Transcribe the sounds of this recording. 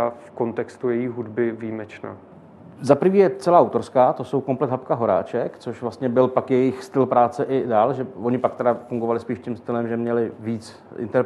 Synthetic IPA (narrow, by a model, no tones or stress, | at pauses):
afko̞nt̪ɛkst̪ujɛjiːɦudbɪviːmɛt͡ʃna̰ː | zapɾ̩viːjɛt͡sɛlaːʔawt̪o̞ɾskaːt̪oso̞wkomplɛt̪ɦapkaɦo̞ɾa̰ːt͡ʃɛkt͡soʃvlast̪ɲɛbɪlpakjɛjɪxst̪ɪlpɾaːt͡sɛʔɪdaːlʒɛvoɲɪpak̚t̪ɛdafuŋɡovalɪspiːʃcɪmst̪ɪlɛmʒɛmɲɛlɪviːt͡s | ʔɪ̰nt̪ɛɾ